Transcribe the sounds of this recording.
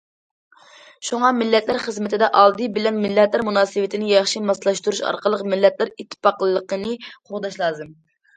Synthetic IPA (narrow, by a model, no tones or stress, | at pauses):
ʃuŋɑmɪlːɛt̪læɾχəzmɪt̪ʰɪd̪ɛʔɑlˠd̪ɨbɪlɛnmɪlːɛt̪læɾmunɑːsɨwɪt̪ʰɪnɪjɑχʃimɑslˠɑʃt̪uɾuʃɑ̰ɾqʰəlˠəqmɪlːɛt̪læɾit̪ʰːɨ̥pɑqlˠəlˠəqʰənɨqʰoʁd̪ɑʃlˠɑːzɨm